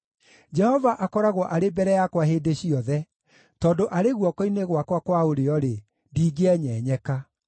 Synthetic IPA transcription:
d͡ʑɛhɔvaʔakɔɾaɣwɔʔaɾebɛɾɛjakwaɦeːdeɕiɔðɛ | tɔːndoʔaɾeɣwɔkoineɣwakwakwaoɾeɔɾe | ndiːɡeɛɲɛːɲɛka

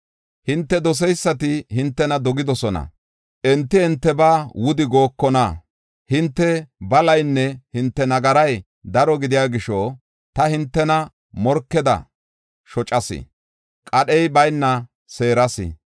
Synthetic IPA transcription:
hɪnt̪ːɛd̪ɔs̬ɛjsːɐt̪ɪhɪnt̪ːɛnɐd̪ɔɡɪd̪ɔsɔnɐ̰ | ʔɛnt̪ːɪhɛnt̪ːɛbaːwʊd̪ɪɡo̞ːkːɔnɐ | hɪnt̪ːɛbɐlɐjnːɛhɪnt̪ːɛnɐɡɐɾɐj | d̪ɐɾɔɡɪd̪ɪjaːɡɪʃɔ | t̪ɐhɪnt̪ːɛnɐ | mɔɾkːɛd̪ɐ̰ | ʃɔt͡ʃʼɐsɪ̰ | kʼɐɗɛjbɐjnːɐ | se̞ːɾɐsɪ̰

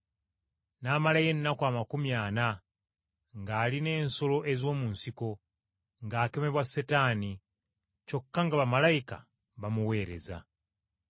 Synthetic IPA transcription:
naːmalaje̞nːakwaːmakumjaːna | ŋɡaːline̞ːnso̞lo̞ʔe̞zo̞ːmunsiko̞ | ŋɡaːke̞me̞βwasetaːni | co̞kːaŋɡaβamalaika̰ | βamuwe̞ːɾe̞̰za̰

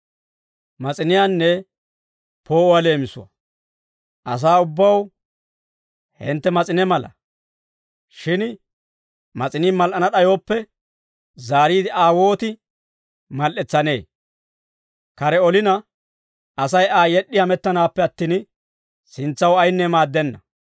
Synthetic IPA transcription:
mɐt͡sʼɪnɪjaːnːɛ | po̞ːɔwɐle̞ːmɪsʊ̰wɐ̰ | ʔɐ̰s̬aːʊbːɐw | hɪ̰nt̪ːɛmɐt͡sʼɪnɛmɐlɐ̰ | ʃɪn | mɐt͡sʼɪniːmɐlʔɐnɐɗɐjo̞ːpːɛ | zaːɾiːd̪ɪaːwo̞ːt̪ɪ | mɐlʔɛt͡sːɐne̞ː | kɐɾɛɔlɪnɐ | ɐsɐjaːjɛɗːɪhɐmɛt̪ːɐnaːpːɛɐt̪ːiːn | sɪnt͡sːɐwɐjnːɛmaːd̪ːɛnːɐ

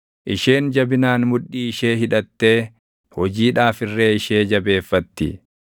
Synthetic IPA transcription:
ʔɪʃe̞ːnd͡ʒɐbɪnaːnmʊᶑːiːɪʃe̞ːɦɪᶑɐt̪ːe̞ː | hɔd͡ʒiːᶑaːfɪrːeːɪʃeːd͡ʒɐbe̞ːfːɐt̪ːɪ̰

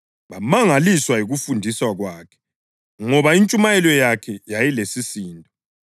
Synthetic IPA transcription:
βamaŋaliswajiɣufundʱiswaɣwaːkʰɛ̥ | ŋɔβaint͡ʃʼumajɛlɔjakʰɛjajilesisiːntʼɔ

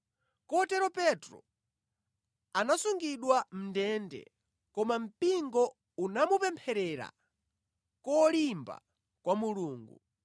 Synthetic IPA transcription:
kɔtɛɾɔpɛtɾɔ̰ | anasuŋɡiɗwam̩ndɛndɛ̰ | kɔmam̩piŋɡɔ | unamupɛmpʰɛɾɛɾa̰ | kɔlimba̰ | kwamuluːŋɡṵ

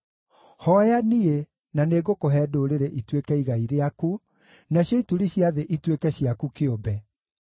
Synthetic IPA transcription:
hɔjanie | naneɡokoɦɛːdoːɾeɾeʔitwekɛiɣaiɾeaku | naɕjɔituɾiɕjaðeʔitwekɛɕjakukeombɛ

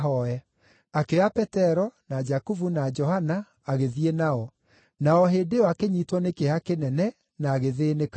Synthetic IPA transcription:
ɦɔɛ | akeapɛtɛɾɔnad͡ʒakuvunad͡ʒɔhanaː | ɣeðienaɔ | naɔɦedeɔakeɲitwɔnekeakenɛnɛ | naːɣeðeːnek

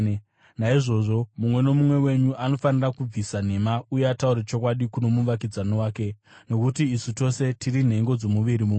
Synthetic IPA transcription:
naiʐo̞ʐo̞mumwe̞no̞mumwe̞we̞ɲuʔano̞fanirakub͡visan̤e̞maujeatauɾet͡ʃo̞kwaɗikuno̞muʋak̬id͡zanowaːke̞ | no̞kutiːsuto̞se̞tirin̤e̞ŋɡo̞d͡zo̞muʋiɾimuː

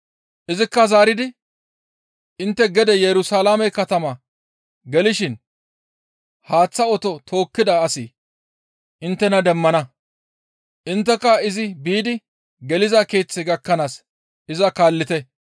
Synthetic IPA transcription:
ʔɪzɪkːɐzaːɾɪd̪ɪ | ʔɪnt̪ːɛɡɛd̪ɛjɛɾʊsaːlaːmɛkɐt̪ɐmɐ | ɡɛlɪʃɪn | haːt͡sːɐɔt̪ɔt̪ʰo̞ːkːɪd̪ɐːsɪ | ʔɪnt̪ːɛnɐd̪ɛmːɐnɐ | ʔɪnt̪ːɛkːɐɪzɪbiːd̪ɪ | ɡɛlɪzakeːt͡sːɛɡɐkːɐnaːs | ɪzɐkaːlːɪt̪ɛ

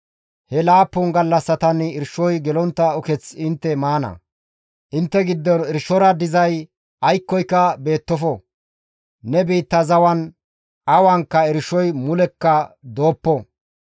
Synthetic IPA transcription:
hɛlaːpːʊnɡɐlːɐsːɐt̪ɐnɪɾʃɔjɡɛlɔnt̪ːɐɔkɛt͡sɪnt̪ːɛmaːnɐ̰ | ʔɪnt̪ːɛɡɪd̪ːɔnɪɾʃɔɾɐd̪ɪzɐj | ɐjkːɔjkːɐbe̞ːt̪ːɔfɔ | nɛbiːt̪ːɐzɐwɐn | ɐwaŋkːɐɪɾʃɔjmʊlɛkːɐd̪o̞ːpːɔ

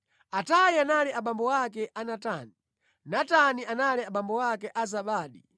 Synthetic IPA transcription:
atajianalɛaɓambɔwakɛʔanatani | natanianalɛaɓambɔwakɛʔazaɓaːɗi

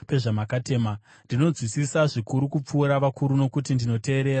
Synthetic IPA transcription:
pe̞ʐamakate̞ːma | ndino̞d͡zwisisaʐikuɾukup͡fuːɾaʋakuɾuno̞kutindino̞te̞ːɾe̞ːɾa

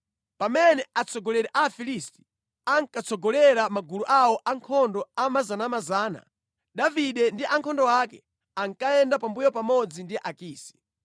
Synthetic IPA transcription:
pamɛnɛat͡sʰɔɡɔlɛɾɛʔafilisti̥ | aŋkat͡sʰɔɡɔlɛɾamaɡuluʔawɔʔaŋkʰɔndɔamazanamazaːna̰ | daviɗɛndiʔaŋkʰɔndɔwakɛ | aŋkaɛndapambujɔpamɔd͡zindiʔakiːsi̥

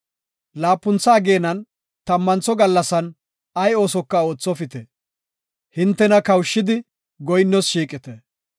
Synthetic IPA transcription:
laːpːʊnt͡saːɡe̞ːnɐn | t̪ɐmːɐnt͡sɔɡɐlːɐsɐn | ɐjo̞ːsɔkːɐo̞ːt͡sːɔfɪt̪ɛ | hɪnt̪ːɛnɐkɐwʃːɪd̪ɪ | ɡɔjnːɔsʃiːkʼɪt̪ɛ

